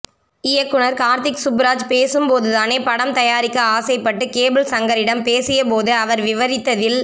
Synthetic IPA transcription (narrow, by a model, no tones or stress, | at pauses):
ɪjɐkːɯɳɐɾkaːɾt̪ɪksʊbɾaːd͡ʒpeːsɯmpoːðɯðaːneːpɐɽɐmt̪ɐjaːɾɪkːɐaːsɐɪpːɐʈːɯkeːbɪlsɐŋɡɐɾɪɽɐmpeːsɪjɐpoːðɯɐʋɐɾʋɪʋɐɾɪt̪ːɐðɪl